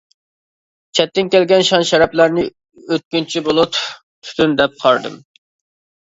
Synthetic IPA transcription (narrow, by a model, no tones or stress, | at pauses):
t͡ʃʰɛt̪ːɪnkʲɛlɡʲɛnʃɑnʃɛɾɛplæɾnɪ | øt̪̚kʲynt͡ʃʰibolˠut̪ʰ | t̪ʰːy̥t̪ʰynd̪ɛp̚qʰɑɾd̪ɨ̰m